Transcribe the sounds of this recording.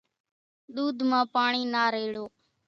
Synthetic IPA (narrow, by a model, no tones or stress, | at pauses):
ɗ̪uːd̪ʱmãːpaːɳiːnaːɾeːɽoː